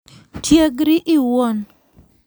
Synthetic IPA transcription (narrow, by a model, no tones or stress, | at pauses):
tʰjeɡɾiʔɪwon